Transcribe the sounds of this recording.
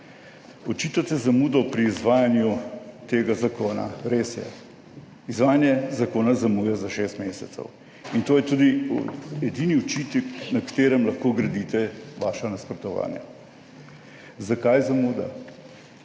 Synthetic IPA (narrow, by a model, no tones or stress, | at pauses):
ɔt͡ʃiːt̪at̪ɛzɐmuːd̪ɔpɾiːzʋaːjanjut̪eːɡazakoːna̰ɾeːsjɛ̰ | izʋaːjanjɛzakoːnazamujɛzaʃeːst̪meːsɛt̪sɛ̰w | int̪oːjɛt̪ud̪ḭ | ɛd̪iniɔt͡ʃit̪ɛknakḁt̪eːɾɛmlɐxkoːɡɾɐd̪iːt̪ɛʋaːʃɔnaspɾɔt̪ɔʋa̰ːnja̰ | zakajzamuːd̪a